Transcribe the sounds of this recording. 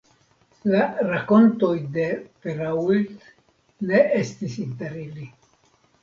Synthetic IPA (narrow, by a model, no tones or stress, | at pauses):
laɾako̞nto̞jde̞peɾault | ne̞ʔestisinteɾili